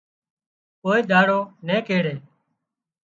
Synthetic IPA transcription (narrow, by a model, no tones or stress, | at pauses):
koːiːd̪ʱaːɽoːnẽːkeːɽeː